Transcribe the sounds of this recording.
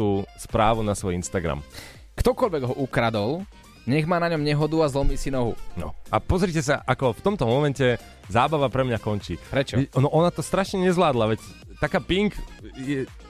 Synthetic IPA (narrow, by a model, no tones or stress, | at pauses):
uːspɾaːʋunasʋɔjinst̪aɡɾa̰m | kt̪ɔkɔʎʋɛɡɦɔʔukɾad̪ɔl | ɲɛɣmaːnaɲɔmɲɛɦɔd̪uazlɔmiːsinɔɦṵnɔ̰apɔzɾicɛs̬aʔakɔft̪ɔmt̪ɔmɔmɛncɛ | zaːbaʋapɾɛmɲakɔnt͡ʃḭːpɾɛt͡ʃɔnɔʔɔnat̪ɔst̪ɾaʃɲɛɲɛzʋlaːd̪laʋɛc | t̪akaːpiŋkjɛ